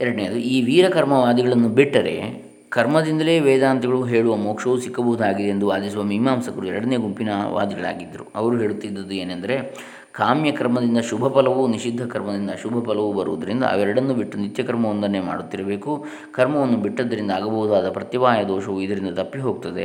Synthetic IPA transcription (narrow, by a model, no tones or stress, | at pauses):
ɛɾɐɽɐneːjɐd̪uiːʋiːɾɐkɐɾmɐʋaːd̪iɡɐɭɐnːubiʈːɐɾe̞̰ | kɐɾmɐd̪ind̪ɐle̞ːʋɛːd̪aːnt̪iɡɐɭuɦe̞ːɭuʋɐmoːkʂɐʋusikːɐbɐʋud̪aːɡid̪eend̪uaːd̪isuʋɐmiɦmaːmsɐkɐɾuɛɾɐɽɐne̞ːɡumpinɐʋʔa̰ːd̪iɡɐɭa̰ːɡid̪ːɐɾṵɐ̰ʋɐɾuɦeːɭut̪ːid̪ːɐd̪ueːnɐnd̪ɐɾe̞ | kaːmjɐkɐɾmɐd̪ind̪ɐʃubʱɐpɐlɐʋuniʃid̪ʱːɐkɐɾmɐd̪ind̪ɐʃubʱɐpɐlɐʋubɐɾuʋɐd̪ɐɾind̪ɐ̰a̰ːʋɛɾɐɽɐnːubiʈːunit̪jɐkɐɾmɐʋɐnd̪ɐɐnema̰ːɽut̪ːiɾɐbeːku | kɐɾmɐʋɐnːubiʈːɐd̪ːɐɾind̪aːɡɐbɐʋud̪ʋaːd̪ɐpɾɐt̪iʋaːjɐd̪ɔːʃɐʋuid̪ɐɾind̪ɐt̪ɐpːiɦo̞ːɡ̚t̪ɐd̪e̞̰